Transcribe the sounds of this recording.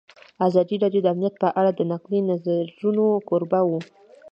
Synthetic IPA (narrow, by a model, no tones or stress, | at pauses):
azɑd̪iɾɑdjod̪əamnijat̪̚pəʔaɽad̪ənaqlənazaɾunokoɾbawu